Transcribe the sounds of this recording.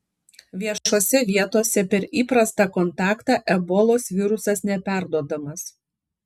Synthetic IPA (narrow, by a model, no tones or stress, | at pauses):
ʋʲiɛʃoːsʲɛʋʲiɛt̪oːsʲɛpʲɛɾiːpɾɐst̪ɑˑkɔnt̪ɑːkt̪ɑːʔɛbɔlˠoːsʋʲɪɾʊsɐsnʲɛpʲæˑɾd̪uɔd̪ɐmɐs